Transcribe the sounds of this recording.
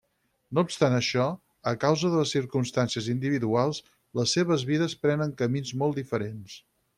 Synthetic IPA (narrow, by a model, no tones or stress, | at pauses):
noupst̪anəʃɔ | əkawzəðələsːiɾkumst̪ansiəzind̪iβiðualˠs | ləsːeβ̞əzβiðəspɾɛnəŋkəminzmɔlˠd̪ifəɾens